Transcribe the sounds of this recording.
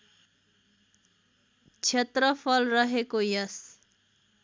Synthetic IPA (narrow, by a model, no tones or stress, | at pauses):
t͡ʃʰet̪ɾʌpʰʌlrʌɦekojʌs